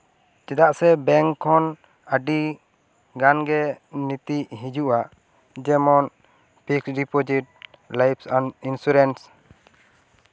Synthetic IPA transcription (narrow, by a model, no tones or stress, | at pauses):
t͡ʃɛd̪aʔsɛbɛŋkʰɔn | əɖi | ɡanɡɛnit̪iʔɦid͡ʒuʔaʔ | d͡ʒɛmɔn | pʰiksɖipod͡ʒiʈ̚ | lajpsaninsuɾɛns